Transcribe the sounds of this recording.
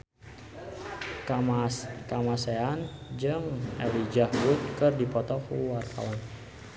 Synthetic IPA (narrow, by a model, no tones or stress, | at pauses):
kamaseand͡ʒɨŋɛlid͡ʒahbut̪̚kɨrdipɔt̪ɔkuwart̪a̰ɔn